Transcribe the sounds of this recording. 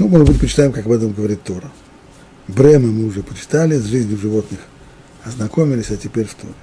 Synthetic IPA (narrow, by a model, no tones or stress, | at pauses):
numoʐd̪bɨtʲpət͡ɕɪ̥t̪aɪmkakɐbɛt̪əmɡəvɐɾʲit̪ːo̞ɾə | bɾɛmɨmɨʊʐɛpət͡ɕɪ̥t̪alʲɪzʐɨzʲnʲjʊʐɨvo̞t̪nɨx | ɐznɐko̞mʲɪlʲɪsʲɐtʲɪpʲeɾʲft̪ʰo̞̰ɾʲɪ